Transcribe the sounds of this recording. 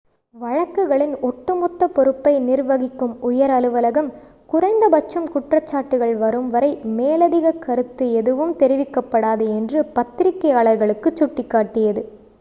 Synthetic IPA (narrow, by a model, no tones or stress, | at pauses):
ʋɐɻɐkːɯɣɐɭɪnɔʈːɯmɔt̪ːɐpɔɾɯpːɐɪnɪrʋɐɣɪkːɯmʊjɐɾɐlɯʋɐlɐɣɐm | kʊrɐɪnd̪ɐbɐt͡ʃːɐmkʊʈrɐt͡ʃːaːʈːɯɣɐɭʋɐɾɯmʋɐɾɐɪmeːlɐðɪɣɐkːɐɾɯt̪ːɯɛðɯʋɯmt̪ɛɾɪʋɪkːɐpːɐɽaːðɯɛndrɯpɐt̪ːɪɾɪkːɐjaːɭɐɾɣɐɭɯkːɯt͡ʃːʊʈːɪkːaːʈːɪjɐðɯ